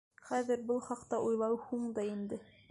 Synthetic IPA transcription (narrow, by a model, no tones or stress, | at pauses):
χæðɘ̆ɾbɤlˠχɑqt̪ɑʔujlˠɑwhuɴd̪ɑind̪ɘ